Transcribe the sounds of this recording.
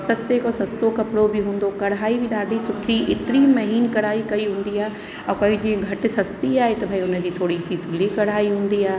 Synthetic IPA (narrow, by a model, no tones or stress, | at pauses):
sɐst̪ekosɐst̪okɐpɪɽobɪɦũːn̆d̪okɐɽaːibɪɗaːd̪ʱisʊʈʰiʔɪt̪ɪɾimɐɦiːnkɐɽ̤aːikɐiɦũːn̆d̪iaːɦe | ɛ̃ːkoːid͡ʑĩẽɡʱɐʈɪ̆sɐst̪iaːɦet̪ɐbʱaiʊnə̆d͡ʑiːt̪ʰoːɽisit̪ʰʊlikɐɽaːiɦũːn̆d̪iaːɦ